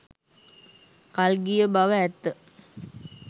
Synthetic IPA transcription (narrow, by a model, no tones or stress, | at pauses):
kalɡijəbaʋəɛt̪ːə